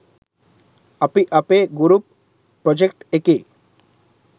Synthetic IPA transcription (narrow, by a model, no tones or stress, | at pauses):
apiʔapeɡuɾupː | ɾɔd͡ʑekʈeke